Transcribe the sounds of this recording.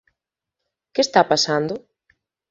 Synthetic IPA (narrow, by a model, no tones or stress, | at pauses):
kest̪apasand̪ʊ